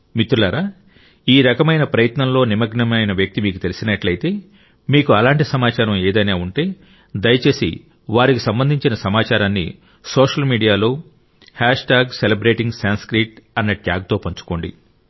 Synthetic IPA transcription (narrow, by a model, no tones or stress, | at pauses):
mit̪ːulaːɾaː | iːɾɐkɐmɐjnɐpɾɐjɐt̪nɐmlo̞ːnimɐɡɳɐmɐjnɐʋjɐk̚t̪imiːkut̪e̞lisinɐʈlɐjit̪e̞ː | miːkuɐlaːɳʈisɐmaːt͡ʃaːɾɐmeːd̪ɐjnaːuɳʈe̞ː | d̪ɐjɐt͡ʃe̞ːsḭ | ʋaːɾikisɐmbɐnd̪ʱiɲt͡ʃinɐsɐmaːt͡ʃaːɾaːnːḭ | soːʂɐlmiːɖijaːlo̞ː | haːʂʈaːɡselɐbɾe̞ːʈiŋɡsaːnskɾiʈɐnːɐʈjaːɡ̚t̪o̞ːpɐɲt͡ʃu̥ko̞ːɳɖḭ